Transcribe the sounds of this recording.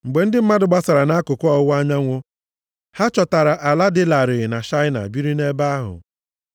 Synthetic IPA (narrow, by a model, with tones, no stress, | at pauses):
ŋ͡m̩˨ɡ͡be˨n̩˦dɪ˦m̩˦ma˦dʊ˨ɡ͡ba˦sa˨ɾa˨na˦kʊ˨kɔ˦ɔ˦wʷa˦ɲa˦ŋʷʊ˦ | ha˦t͡ʃɔ˨ta˨ɾa˨ʔa˨la˦dɪ˦la˨ɾɪ˨na˨ʃa˦ɪ˦na̰˨bi˦ɾi˦ne˦ba˦a˦ɦʊ̰˨